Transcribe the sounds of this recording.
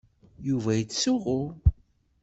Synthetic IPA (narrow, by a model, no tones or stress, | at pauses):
juvæjət͡sːsʊʁʊ